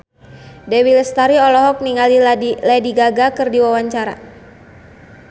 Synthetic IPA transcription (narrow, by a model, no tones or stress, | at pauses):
dewiləst̪aɾiɔlɔɦɔk̚niŋaliladiɡaɡakɨrdiwawaɲt͡ʃaɾa̰